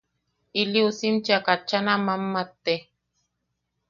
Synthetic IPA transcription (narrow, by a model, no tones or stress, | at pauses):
iliusimt͡ʃiakat͡ʃːanamamːat̪ːe